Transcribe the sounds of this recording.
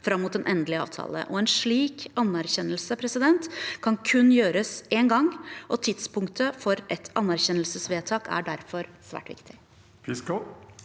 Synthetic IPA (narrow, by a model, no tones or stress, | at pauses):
fɾɑmːʊːt̪ɛnʔɛnd̪əlɪɑ̰ːʋt̪ʰɑ̰ːlə̰ʔɔɛnʂɭiːkɑnːæɾçɛnːəlsəpʰɾɛsɪd̪ɛnt̪kʰɑnkʰʉnːjøːɾəseːnɡɑŋːʔɔt̪ʰɪd̪spʊŋkt̪ʰəfɔɾʔɛt̪ʰɑnːæɾçɛnəlsəsʋeːt̪ʰɑːkʰæ̰ɖæɾfɔɾsʋæ̰ːʈʋɪ̰kt̪ʰɪ̥ | pɪsko